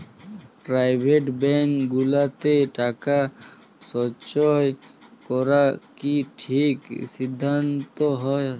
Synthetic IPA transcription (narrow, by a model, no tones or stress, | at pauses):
pɾajbʱeʈbɛŋɡulat̪eʈaka | sɔt͡ʃɔjkɔɾakiʈʰiksid̪ʱːant̪ɔɦɔe